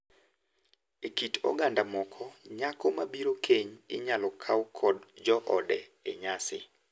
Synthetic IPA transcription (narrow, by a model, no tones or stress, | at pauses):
ekitɔ̰ɡandamɔkʰɔɲakɔmabiɾokʰeɲɪɲalɔkʰawkʰɔdd͡ʒɔʔɔdɛeɲasɪ̰